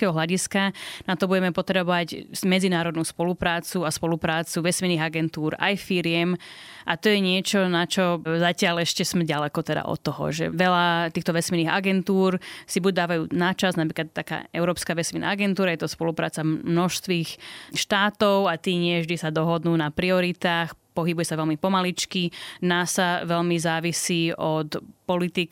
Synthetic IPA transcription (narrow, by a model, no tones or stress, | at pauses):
kɛɦɔɦlaɟiskanat̪ɔbuɟɛmɛpɔt̪ɾɛbɔʋacmɛd͡zinaːɾɔd̪nuːspɔlupɾaːt͡suaspɔlupɾaːt͡suʋɛsminiːɣaɡɛnt̪uːɾa̰jfiɾɪɛmʔat̪ɔjɛɲɪɛt͡ʃɔnat͡ʃɔzacɪalɛʃcɛsmɛɟalɛkɔt̪ɛd̪a̰ʔɔ̰t̪ːɔɦɔ̰ʒɛ̰ʋɛlat̪iːxt̪ɔʋɛsminiːɣa̰ɡɛnt̪uːɾsibuɟd̪aːʋajuːnat͡ʃaznapɾiːklat̪t̪ːaka̰ːɛʊɾɔːpskaːʋɛsmina̰ːaɡɛnt̪uːɾajɛt̪ɔspɔlupɾa̰ːt͡samnɔʃst̪ʋiːxʃt̪aːt̪ɔʊat̪iːɲɪɛvʒd̪isad̪ɔɦɔd̪nuːnapɾiɔɾit̪aːxpɔɦibujɛsaʋɛlmipɔmalit͡ʃkinaːsaʋɛlmizaːʋisiːɔt̪pɔlit̪ik